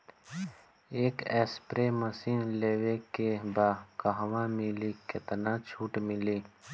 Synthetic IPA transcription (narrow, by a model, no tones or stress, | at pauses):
eːkeːspɾeməsiːnleːwekebaːkəɦwãmiliːket̪ənãːt͡ʃʰuːʈmiliː